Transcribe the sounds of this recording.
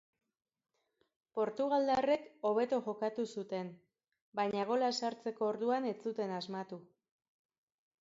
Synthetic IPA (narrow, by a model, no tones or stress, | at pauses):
po̞ɾt̪uɣ̞ald̪are̞ko̞β̞e̞t̪oʝo̞kat̪usut̪e̞n | bajɲaɣ̞o̞laesaɾt͡se̞koːɾðuane̞t͡sut̪e̞nazmat̪u